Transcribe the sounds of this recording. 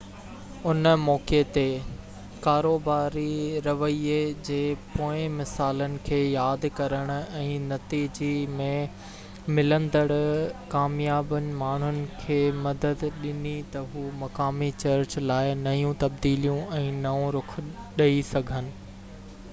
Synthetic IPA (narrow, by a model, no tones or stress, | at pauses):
ʊnmɔːket̪e | kaːɾoːbaːɾiɾɐʋəied͡ʑeːpoːɪ̃mɪsaːlənɪ̆kʰeːjaːd̪kɐɾəɽ̃ʊ̆ɛ̃ːnɐt̪iːd͡ʑimẽ | mɪlə̃nd̪əɽkaːmijaːbənɪ̆maːɳ̤ʊnɪ̆kʰeːmɐd̪əd̪ɗɪnit̪ɐɦuːmɐkaːmit͡ɕɐɾt͡ɕlaːɪnɐjũt̪ɐb̚d̪iːlijũʔɛ̃ːnɐũɾʊkʰ | ɗɐisɐɡʱənɪ̆